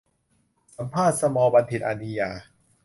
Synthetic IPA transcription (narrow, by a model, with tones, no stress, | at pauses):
sa˩˦mpʰaː˥˩t̪̚sa˧mɔː˧ba˧nt̪ʰi˨˩ʔa˧ni˧jaː˧